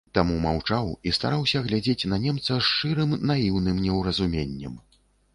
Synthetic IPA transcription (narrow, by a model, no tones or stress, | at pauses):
t̪amumawt͡ʂawist̪a̰ɾawsʲɐɣlʲad͡zʲet͡sʲnɐnʲɛmt̪sɐʂt͡ʂɨɾɨmnajiwnɨmnʲɛwɾɐzumʲenʲːɐ̰m